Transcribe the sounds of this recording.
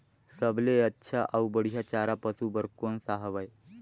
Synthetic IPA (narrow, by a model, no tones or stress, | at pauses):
səbleətːɕʰaʔəwbəɽ̤jat͡ɕaɾapəsubəɾkonsaɦʋaj